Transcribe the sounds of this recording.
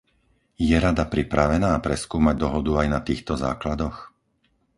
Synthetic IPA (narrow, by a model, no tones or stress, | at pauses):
jɛɾad̪apɾipɾaʋɛnaːpɾɛskuːmaɟd̪ɔɦɔd̪uajnat̪iːxt̪ɔza̰ːklad̪ɔx